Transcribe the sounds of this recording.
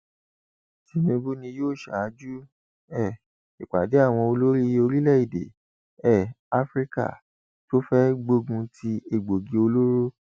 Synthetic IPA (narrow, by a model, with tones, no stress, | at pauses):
ti˨˦mĩ˧ɡu˦nĩ˧joː˦˨ʃa˨˦d͡ʒu˦ | ɛ˦˨ | i˨k͡pa˨de˨˦a˦˨w̃ɔ̃˧o˧lo˦ɾi˦o˧ɾi˦lɛ˦˨i˨dḛ˨ | ɛ˦˨ | a˦fɾi˦ka̰˦˨ | to˦fɛ˦ɡ͡bo˧ɡũ˧tʰi˧e˨ɡ͡bo˨ɡi˧o˧lo˦ɾo˦